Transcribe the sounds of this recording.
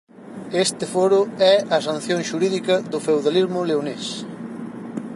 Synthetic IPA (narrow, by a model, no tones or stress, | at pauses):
est̪ɪfoɾʊɛɐsanθjõŋʃuɾiðikɐðʊfewðalizmʊleones